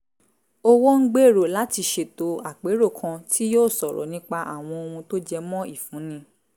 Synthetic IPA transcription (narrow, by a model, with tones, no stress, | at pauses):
o˦wɔ˦ŋ̩˦ɡ͡be˦˨ɾo˨la˨˦ti˧ʃe˨to˧a˨k͡pe˨˦ɾo˦˨kʰã˧tʰi˦joː˦˨sɔ˨ɾɔ̰˨nĩ˦k͡pa˧ʔa̰˦˨w̃ɔ̃˧o˧hũ˧to˦d͡ʒɛ˧mɔ̃˦i˦˨fũ˨˦nĩ˧˦